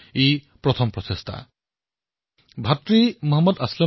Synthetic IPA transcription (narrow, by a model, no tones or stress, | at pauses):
epɾɔt̪ʰɔmpɹɔsest̪ʰa̰ | bʱat̪ɾimɔɦɔmːɔd̪aslɔ